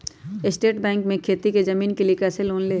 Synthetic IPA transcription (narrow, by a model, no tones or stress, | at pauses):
ɪsʈeːʈbɛ̃ːŋkmẽkʰeːt̪iked͡ʒɐmiːnkeliekɐseloːnleː